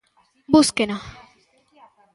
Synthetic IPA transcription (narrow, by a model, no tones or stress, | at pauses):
buskena